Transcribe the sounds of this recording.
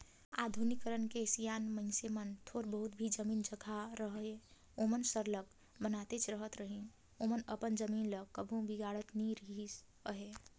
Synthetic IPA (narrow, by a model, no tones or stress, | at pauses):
a̰d̪ʱunikəɾənkesijanməɪnsemənt̪ʰoɾbəɦut̪bʱid͡ʒəmiːnd͡ʒəɡʱaɾəɦe | omənsəɾlək | bənat̪et͡ʃʰɾəɦət̪ɾəɦi | omənəpənd͡ʒəminləkːəbʱũbiɡaɽət̪niɾəɦisəɦe